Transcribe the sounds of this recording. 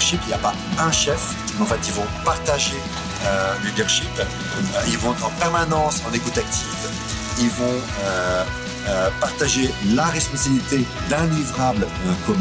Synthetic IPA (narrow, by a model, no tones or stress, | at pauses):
ʃipiljapa | ɛ̃ʃɛf | ɑ̃fɛt̪ilvɔ̃paʁt̪aʒe | ølid̪œʁʃip | ilvɔ̃ɛt̪χɑ̃pɛʁmanɑ̃sɑ̃nekut̪ak̚t̪ʰiv | ilvɔ̃ | ø | øpaʁt̪aʒelaʁɛspɔ̃sabilit̪e | d̪ɛ̃livʁabl̃ | kɔm